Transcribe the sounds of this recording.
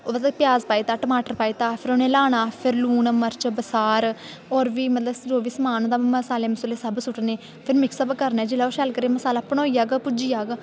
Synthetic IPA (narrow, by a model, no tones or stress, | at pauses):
oːbətt̪əpɪjaːzpaːit̪aːʈəmaːʈəɾpaːiːt̪aːpʰɪɾoːnẽːlaːɽ̃aːpʰɪɾluːnməɾt͡ʃbəsaːɾ | ɔːɾʋiːmət̪ləbsd͡ʒoːʋiːsəmaːnoːd̪aːməsaːleːməsəːleːsəbsʊʈneː | pʰɪɾmɪksəbkəɾnɛːd͡ʒɪlaːoʃɛlkəɾeːməsaːlaːpɳoːiaːɡpʊd͡ʒiːjaːɡ